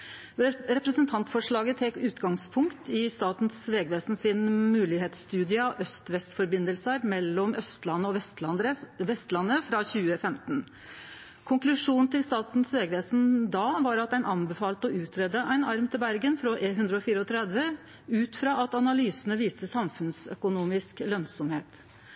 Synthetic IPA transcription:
ɾɛpɾəsənt̪ʰɑnt̪fɔʂɭɑːɡət̪ʰɛkːʉːt̪ɡɑŋspʰʊŋkt̪ɪst̪ɑːt̪n̩sʋeːɡʋeːsn̩sɪnmʉːlɪheːt̪st̪ʉːd̪ɪəʔœst̪ʋɛst̪fɔɾbɪnd̪əlsəɾmɛlːɔmœst̪lɑnːəɔʋɛt̪ɾəʋɛst̪lɑnːəfɾɑçʉːəfɛmt̪n | kʰʊŋklʉʂuːnnt̪ʰɪlst̪ɑːt̪n̩sʋeːɡʋeːsnd̪ɑːʋɑɾɑt̪̚dæɪnʔɑnbəfɑːlt̪ɔʔʉːt̪ʰɾɛd̪əʔæɪnɑɾmt̪ʰɪlbæɾɡənfɾɔʔeɦʉnd̪ɾəɔfiːɾəɔt̪ʰɾɛd̪ʋə | ʉːt̪fɾɑːɑt̪ɑnɑlyːsənəʋiːst̪əsɑmfʉnsœ̰kʊnuːmɪsklœnsɔmheːt̪

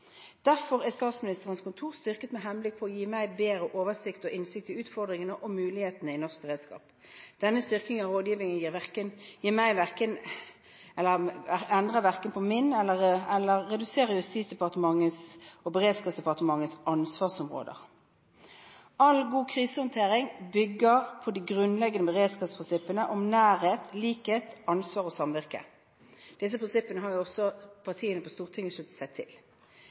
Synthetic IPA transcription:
d̪̥æʁfɔʁæst̪ɑːt̪smɪnɪst̪əʁənskʊnt̪ʰuːʁst̪ʏʁkət̪mɛɦɛnblɪk̚ːpʰɔːjiːmæɪbeːɾəʔoːʋəsɪkt̪ɔʔɪnsɪk̚t̪ɪʉːt̪fɔʁd̪ʁɪŋənəʔɔmʉːlɪheːt̪ənəɪnɔʁsk̚bəʁeːd̪skɑ̰ːp | d̪̥ɛnːəst̪ʏʁknɪŋɑʁoːd̪jiːʋɪŋənjiːʋkənjiːmæɪʋæʁkən | ɛlːəʁɛnd̪ʁəʋæʁkənpʰɔmɪnɛlːəʁɛlːəʁːɛd̪ʉseːʁəʁjʉst̪iːsd̪ɛpɑʁt̪əmɑŋːəsɔbəʁeːd̪skɑːsd̪ɛpɑʁt̪əmɑŋːəsɑnsʋɑːʁsɔmʁo̰ːd̪ə̰ʁ | ɑlɡuːkʰʁiːsəhɔnt̪ʰeːʁɪŋbʏɡːəʁpʰɔd̪iɡʁʉnlɛɡənəbəʁeːd̪skɑt̪spʰʁɪnsɪpːənəʔɔmnæːɾheːt̪liːkheːt̪ɑnsʋɑːʁɔsɑmʋɪʁkə̰ | d̪̥ɪs̬əpʰʁɪnsɪpːənəɦɑɾjʊɔsɔpʰɑʁt̪ʰiːənəpɔst̪uːʁt̪ʰɪŋːəslʉt̪ə̥sæɪt̪ʰɪ̰l

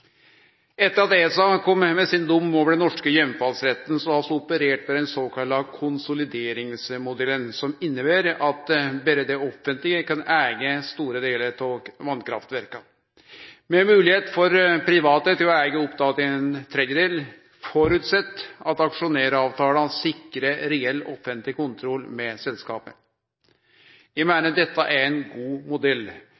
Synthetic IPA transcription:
ɛt̪ːəɾɑd̪esɑkʰɔmːmɛsɪnd̪ʊmːoːʋəɖɛnːɔʂkəjɛmfɑlsɾɛt̪ːənsɔmɑlsɔʊpəɾeːʈʋɛd̪ɛnsoːkʰɑlːɑkʰʊnsʊlɪd̪eːɾɪŋsmʊd̪ɛlənsɔmɪnːəbæːɾɑt̪bɛɾəd̪ɛɔfːənt̪lɪɡəkɑnæːɡəst̪uːɾəd̪eːləɾtʰoʋɑnkʰɾɑ̰ft̪ʋæɾkɑ | mɛmʉːlɪheːt̪fɔɾpʰɾɪʋɑːt̪ət̪ɪlɔæːɡəɔpt̪ʰɑːt̪ɪɛnt̪ʰɾɛd̪jəd̪eːl | fɔɾʉt̪sɛt̪ːɑt̪ɑkʂʊneːɾɑːʋt̪ʰɑːləɑsɪkːɾəɾɛɛlːɔ̰fənt̪lɪkʊnt̪ʰɾɔlːmɛsɛlskɑ̰ːpə | jæɪmæɪnəd̪ɛt̪ːəʔæɾɛnɡuːmʊd̪ɛl

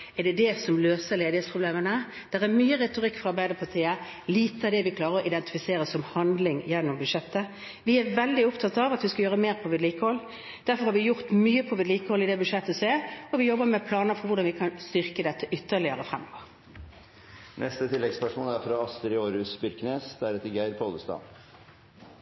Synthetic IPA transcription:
ɛɖ̪ɛd̪ɛsɔmløːsəɾleːd̪ɪheːt̪spʰʁʊbleːmənə | d̪̥ɛʁæɾmyːəʁɛt̪ʊʁɪkːfɔʁɑɾbæɪəɾpʰɑt̪ʰiːə | liːt̪əɑd̪ɛʋɪkʰlɑːʁəɾɔʔɪd̪ɛnt̪ɪ̥fɪseːɾəsɔmhɑnd̪lɪŋjɛnːʊmbʉd̪ʂɛt̪ːə | ʋɪæʋɛld̪ɪʊpt̪ʰɑt̪ːɑʋɑt̪ʋɪskɑjøːɾəmeːɾpʰɔʋɪd̪liːkəhɔlː | d̪̥æɾfɔɾhɑɾʋɪjʊʁt̪myːəpʰɔʋɪd̪liːkəhɔlːɪd̪ɛbʉʂɛt̪ːəseːɾɔʋɪjɔbːəmɛpʰlɑːnəfɔɾʋʊɾd̪ɑnʋɪkʰɑnst̪ʏʁkəd̪ɛt̪ʰːəʔʏt̪ːəɭɪəɾəfɾɛmːɔʋəɾ | nʔɛ̰st̪ət̪ʰɪlːɛɡspœʂmoːnæɾfɾɑɑst̪əɾɪoːɾʉsbʏɾkneːsd̪æɾɛt̪ːəɾɡæɪɾpʰoːləst̪ɑ̰ː

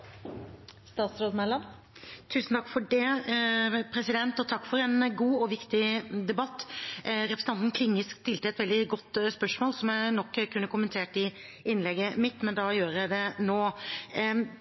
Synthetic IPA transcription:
st̪ɑːt̪sɾoːd̪mɛlɑm | t̪ʰʉːsn̩t̪ʰɑkːfɔɖɛ | pʰɾɛsɪd̪ɛnt̪ɔt̪ʰɑkːfɔɾɛnɡuːɔʋɪkt̪ɪd̪ɛbɑt̪ːɾɛpʰɾəsəɑnt̪n̩kʰlɪŋːəskst̪ɪlt̪əɛt̪ʋɛld̪ɪɡɔt̪ːspœʂmoːlsɔmjæɪnɔkːkʰːʉnːəkʊmənt̪ʰeːʈɪ | ɪnlɛɡːəmɪt̪ːmɛnd̪ɑjøːɾəjæɪd̪ɛnoː

